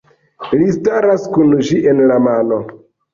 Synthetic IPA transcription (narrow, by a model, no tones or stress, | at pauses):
listaɾaskund͡ʒiʔenlamano̞